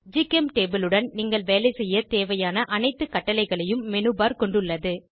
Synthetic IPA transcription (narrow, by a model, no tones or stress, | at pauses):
d͡ʒiːkɛmʈeːbɪlɯɽɐnniːŋɡɐɭʋeːlɐɪsɛjːɐt̪eːʋɐjaːnɐʔɐnɐɪt̪ːɯkːɐʈːɐlɐɪɣɐɭɐjɯmːɛnɯbaːɾkɔɳɖɯɭːɐðɯ